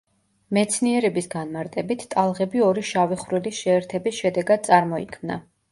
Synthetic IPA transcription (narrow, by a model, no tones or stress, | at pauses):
mɛt̪sʰniɛɾɛbisɡanmaɾt̪ʼɛbit̪ʰt̪ʼalˠʁɛbiɔɾiʃaviχɾilisʃɛːɾt̪ʰɛbisʃɛd̪ɛɡad̪̚t̪sʼaɾmɔḭkʰmna̰